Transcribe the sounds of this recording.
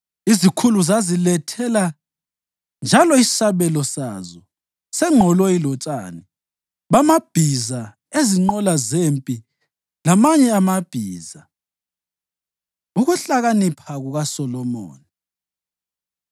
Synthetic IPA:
izikʰuluzazilɛtʰɛla | nd͡ʒʱalɔisi̥saβɛlɔsazɔ | sɛŋ͡ǃʱɔlɔilɔtʼa̰ni | βamab̥ʱiza | eziŋ͡ǃɔlazempʼi | lamaɲɛamab̥ʱiːza | uɣuɬaɣanipʰaɣuɣasɔlɔmo̰ːni

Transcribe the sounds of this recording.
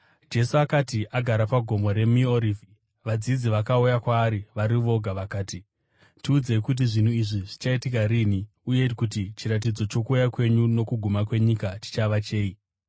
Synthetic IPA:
d͡ʒe̞suakatiʔaɡʱaɾapaɡʱo̞mo̞ɾe̞mioɾifi | ʋad͡zid͡ziʋakaujakwaːɾiʋaɾiʋo̞ɡʱaʋakaːti | tiud͡ze̞ikut̬iʐin̤uiʐiʐit͡ʃaitikariːni | ujekut̬it͡ʃiɾat̬id͡zo̞t͡ʃo̞kuːjakwe̞ɲuno̞kuɡʱumakwe̞ɲikati̥t͡ʃaʋat͡ʃe̞ːi

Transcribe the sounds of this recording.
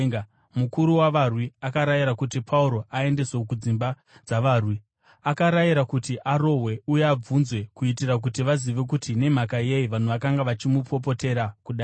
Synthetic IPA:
mukuɾuwaʋarwiakaɾajiɾakutipʰauɾo̞ʔae̞nde̞sokud͡zimba | d͡zaʋaːrwi | akaɾajiɾakutiʔaɾo̞ɦwe̞ujeab͡vunzwe̞kuitirak̬utiʋaziʋe̞k̬utine̞m̤akaje̞iʋan̤uʋakaŋɡaʋat͡ʃimupʰo̞p̬o̞te̞ɾakuɗaː

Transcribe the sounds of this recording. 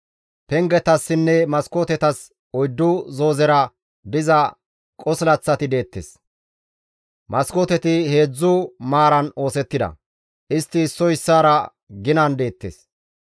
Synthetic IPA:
pɛŋɡɛt̪ɐsːɪnːɛmɐskoːt̪ɛt̪ɐs | ɔjd̪ːʊzo̞ːzɛɾɐ | d̪ɪzɐ | kʼɔslɐt͡sːɐt̪ɪd̪e̞ːt̪ːḛs | mʔɐskoːt̪ɛt̪ɪhe̞ːd͡zːʊmaːɾɐno̞ːsɛt̪ːɪd̪ɐ̰ | ʔɪst̪ːɪːsːɔjɪsːaːɾɐ | ɡɪnɐnd̪e̞ːt̪ːḛs

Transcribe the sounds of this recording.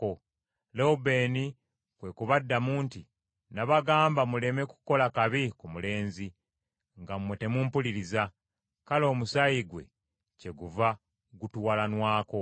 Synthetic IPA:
o | lewbe̞ːni | kwe̞kuβadːamuːnti | naβaɡaːmbamule̞me̞ku̥ko̞lakaβikumule̞ːnzi | ŋɡamwe̞te̞muːmpuliɾiza | kalo̞ːmusajiɡwe̞̰ | ce̞ɡuva | ɡutwaːlanwaːko̞

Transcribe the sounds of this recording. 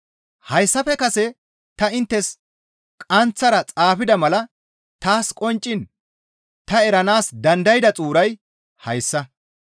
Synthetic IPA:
hɐjsːɐfɛkɐsɛ | t̪ɐɪnt̪ːɛs | kʼɐnt͡sːɐɾɐt͡sʼaːfɪd̪ɐmɐlɐ | t̪aːskʼɔnt͡ʃʼːɪn | t̪ɐɛɾɐnaːsd̪ɐnd̪ɐjd̪ɐt͡sʼuːɾɐj | hɐjsːɐ

